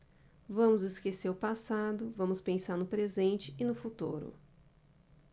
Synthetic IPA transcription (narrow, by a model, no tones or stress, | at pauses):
vɐ̃mʊzɪskeseɾʊpasad̪ʊvɐ̃mʊspẽsaɾnʊpɾezẽnt͡ʃɪɪnʊfut̪uɾʊ̰